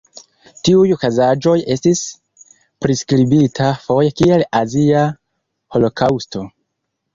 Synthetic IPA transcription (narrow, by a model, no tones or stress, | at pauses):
tiujokazad͡ʒo̞je̞stis | pɾiskɾibitʰafo̞jekielazia | ho̞lo̞kʰawsto̞